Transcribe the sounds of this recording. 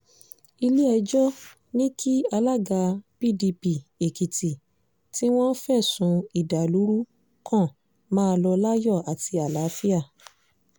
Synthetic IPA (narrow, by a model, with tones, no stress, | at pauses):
i˧li˦ɛ˧d͡ʒɔ˦ | nĩ˦kʰi˦a˧la˦ɡa˧pi˦˨di˧pi˧˨e˨ki˨ti˨ | ti˦w̃ɔ̃˦fɛ˦˨sũ˨˧i˨da˨lu˨˦ɾu˦ | kʰã˦˨ | mãː˦˧lɔ˧la˦jɔ˦˨a˨tʰi˧a˨la˨˦fi˦a˦˨